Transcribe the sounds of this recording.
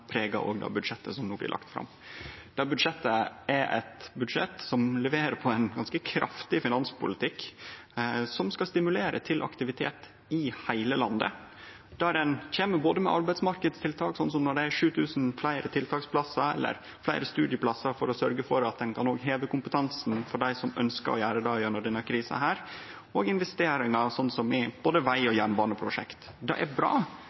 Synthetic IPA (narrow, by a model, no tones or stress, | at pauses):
pʰɾeːɡɑ̰ʔo̰ːɡd̪ɑ̰ːbʉd̪ʂɛt̪ːəsɔmnoːblɪ̰lɑ̰kt̪fɾɑ̰mː | d̪̥ɑbʉd̪ʂɛt̪ːəɛɾʔɛ̰t̪bʉd̪ʂɛ̰t̪sɔmlɛʋeːɾəpʰɔɛnɡɑnskəkʰɾʔɑ̰ft̪ɪfɪnɑnspʰʊlɪt̪ʰɪk | sɔmskɑst̪ɪmʉleːɾə̰t̪ʰɪlʔɑ̰kt̪ɪʋɪt̪ʰeːt̪ | ɪhæɪləlɑnd̪ə̰ | d̪̥æɾɛnçeːməboːd̪əmɛ̰ʔɑɾbæɪd̪smɑɾkəd̪st̪ʰɪlt̪ʰɑːksɔnːsɔmnɔɖɛæʂʉːt̪ʰʉːsn̩flæɪɾət̪ʰɪlt̪ʰɑːkspʰlɑsɑɛ̰lːə̰ɾ | flæɪɾəst̪ʉːd̪ɪəpʰlɑsɑfɔɾɔsœɾɡəfɔɾɑt̪̚d̪ɛnkʰɑnoːɡɦeːʋəkʊmpət̪ʰɑnsn̩fɔɖæɪsɔmœnskə̰ɾɔ̰jæːɾəd̪ɑjːɳəɖ̪ɛnːəkʰɾiːsɑ̰ɦæːɾ | oːɡɪnʋɛst̪eːɾɪŋɑsɔnːsɔmɪb̥oːd̪əʋæɪɔjæːɳbɑːɳəpʰɾʊʂɛ̰kt̪ | d̪ɑ̰ʔæ̰bɾɑ̰ː